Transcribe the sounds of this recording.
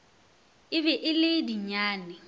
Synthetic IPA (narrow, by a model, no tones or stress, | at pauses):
ɪβɛʔɪlediɲaːnɪ